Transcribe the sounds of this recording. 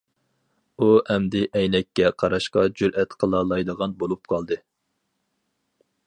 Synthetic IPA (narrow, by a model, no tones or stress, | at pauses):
uɛmd̪ɪʔɛjnɛkʲːɛqʰɑɾɑʃqɑd͡ʒyɾʔɛt̪qʰəlˠɑlˠɑjd̪əʁɑnbolˠup̚qʰɑlˠd̪ɨ